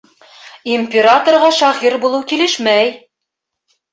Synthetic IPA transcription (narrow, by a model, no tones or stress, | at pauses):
imʲpʲeɾat̪orʁɑʃɑʁiɾbulˠɤwkilɘʃmæj